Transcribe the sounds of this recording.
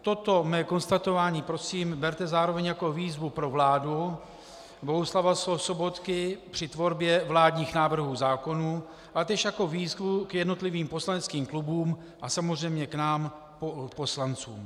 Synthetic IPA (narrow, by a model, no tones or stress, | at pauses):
t̪o̞t̪o̞mɛːko̞nst̪at̪o̞vaːɲiːpɾo̞siːmbɛɾt̪ɛzaːɾo̞vɛɲjako̞viːzvupɾovlaːdu | bo̞ɦuslavasoso̞bo̞t̪kɪpr̝̥ɪt̪vo̞ɾbjɛvlaːd̪ɲiːxnaːvr̩ɦuːzaːko̞nuː | ʔat̪ɛʃjako̞viːzvukjɛdno̞t̪lɪviːmpo̞slanɛt͡skiːmklubuːm | ʔasamozr̝ɛjmɲɛknaːm | poposlant͡sṵːm